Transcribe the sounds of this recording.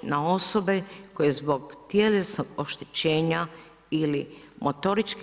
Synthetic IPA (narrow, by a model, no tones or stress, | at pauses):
nao̞sobeko̞jezbo̞ɡt̪jelesnoɡo̞ʃt̪e̥t͡ɕe̞ːɲa | ili | mʔot̪o̞ɾit͡ʃk